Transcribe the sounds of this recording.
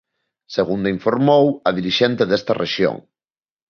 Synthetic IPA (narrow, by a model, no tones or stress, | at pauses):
seɣund̪aiɱfoɾmowɐðiɾiʃent̪eðest̪ɐreʃjo̰ŋ